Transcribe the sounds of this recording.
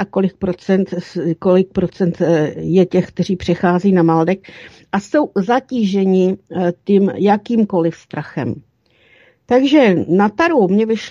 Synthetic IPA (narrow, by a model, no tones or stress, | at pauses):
ako̞lɪk̚pɾot͡sɛnt̪ko̞lɪk̚pɾo̞t͡sɛnt̪jɛcɛxk̚t̪ɛr̝iːpr̝̥ɛxaːzɛiːnamald̪ɛk | ʔaso̞wzaciːʒɛɲɪt̪ɪmjakiːmko̞lɪfst̪ɾʔaxɛ̰m | t̪aɡʒɛnat̪aɾowmɲɛvɪʃ